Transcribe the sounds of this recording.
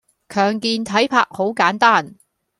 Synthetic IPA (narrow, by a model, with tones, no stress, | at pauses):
kʰœː˨˩ŋkiː˧nt̪ʰɐ˨˥jpʰaː˧k̚ho˨˥wkaː˨˥nt̪aː˥˩n